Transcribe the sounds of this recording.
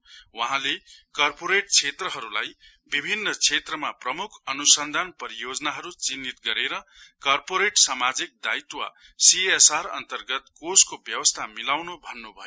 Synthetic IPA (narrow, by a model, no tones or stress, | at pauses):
wʌɦãlekʌrpoɾeʈ̚t͡sʰet̪rʌɦʌɾulaj | bibʱinːʌt͡sʰet̪rʌmaprʌmukʰʌnusʌnd̪ʱanpʌɾijod͡zʌnaɦʌɾut͡sinːit̪ɡʌɾeɾʌkʌrpoɾeʈsamad͡zik̚d̪ajt̪wa̰ | siesaɾʌ̰nt̪ʌrɡʌt̪̚koskobjʌwʌst̪ʰamilawnobʱʌnːubʱʌjo